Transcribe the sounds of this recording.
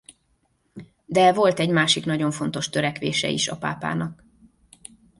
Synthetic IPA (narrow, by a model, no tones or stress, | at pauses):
d̪ɛvo̞lt̪ɛɟmaːʃiknɒɟo̞ɱfo̞n̪t̪o̞ʃt̪øɾɛkʋḛːʃɛ̰ḭʃɒpa̰ːpa̰ːnɒk